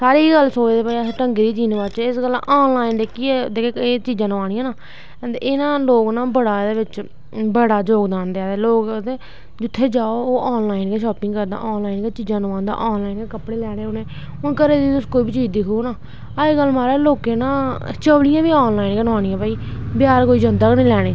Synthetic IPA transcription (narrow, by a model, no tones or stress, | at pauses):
saːɾiːɡəlːsoːd͡ʒd̪eːpaːiaʈəŋɡeːd̪iːd͡ʒiːnʋaːt͡ʃːɪsɡəla̰ʔɔːnlaːind̪eːkːiːd̪eːkʰeːeːt͡ʃiːd͡ʒãːnũːaːɽ̃ĩjãːnaː | d̪eɪnãːloːɡnãːbəɽaːd̪eːʋɪt͡ʃ | bəɽaːd͡ʒoːɡd̪aːnd̪eaːd̪eːloːɡt̪eː | d͡ʒʊt̪ʰːeːd͡ʒaːooːʔɔːnlaːinkeːʃɔːpɪ̃ŋɡkəɾd̪a̰ːʔɔːnlaːinkeːt͡ʃiːd͡ʒãːnũːãːnd̪a̰ːʔɔːnlaːinkeːkəpɽeːlɛːɽ̃eːʊnẽː | ʊnkəɾeːd̪iiʊskoːibiːt͡ʃiːd̪ikoonaː | əeːɡəlmaːɾeːloːkeːnãːt͡ʃəʋɽɪjãːʋiːɔːnlaːinkənʋaːɽ̃ijãːpaːiːbɪjaːɾkoːiːd͡ʒənd̪əknĩːlɛːɽ̃eː